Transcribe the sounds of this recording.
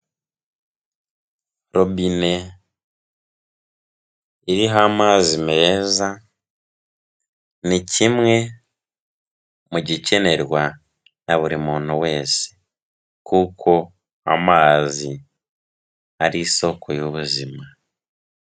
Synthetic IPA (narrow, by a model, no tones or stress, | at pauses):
ɾo̞bine̞ | iɾiɦamaːzimeza | nicʰimŋe̞ | muɟice̞ne̞ɾwa | naβuɾimuːn̥uwe̞ːse̥ | kukʰo̞ | a̰maːzi | aɾiːso̞kʰo̞joβuzima